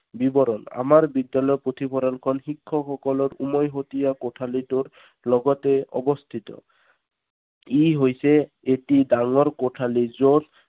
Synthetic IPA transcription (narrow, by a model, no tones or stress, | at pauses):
bibɔɾɔna̰maɹbidjalɔjɔpɹot̪ʰipʰɔɾalkʰɔnxikʰːɔxɔkɔlɔɾumɔjɦot̪ijakoʈʰalituɹ | lɔɡɔtɛɔ̰bɔst̪ʰit̪ɔ̰ | iɦojsɛ | etidaŋɔɹkoʈʰalizoz